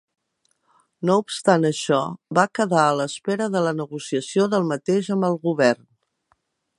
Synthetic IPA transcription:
noupst̪anəʃɔβakəðaələspeɾəðələnəɣusiəsioðəlˠmət̪eʒəmbəlˠɣuβɛrn

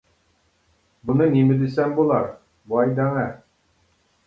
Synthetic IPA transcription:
bŭnɤnimɘ̆d̪ɘ̆sæmbulˠɑɾ | bɑjd̪ɑŋɑ

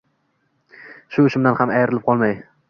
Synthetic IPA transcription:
ʃʊʊʃʊmd̪anhamajɾɪlɪp̚qʰɒlˠmaj

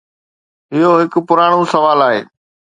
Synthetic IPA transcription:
ɪɦoɦɪkʊ̆pʊɾaːɽ̃osɐʋaːlaːɦḛː

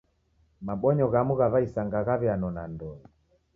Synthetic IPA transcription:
maɓɔɲɔɣamuɣaβaisaŋɡaɣaβɛanɔna̰ndɔɛ

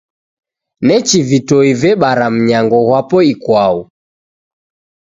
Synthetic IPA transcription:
nɛt͡ʃivitɔivɛɓaɾam̩ɲaŋɡɔɣwapɔikwau

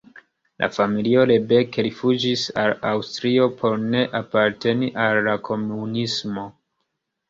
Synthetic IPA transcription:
lʔa̰familio̞le̞be̞keɾifud͡ʒisalawstɾio̞pʰo̞ɾne̞ʔapaɾte̞niʔalːakʰo̞munismo̞

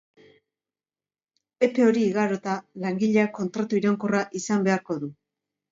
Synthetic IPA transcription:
e̞pe̞o̞ɾiːɣaɾo̞t̪alaŋɡiʎeako̞nt̪ɾat̪uiɾaŋkoraʔisambe̞aɾko̞ðu

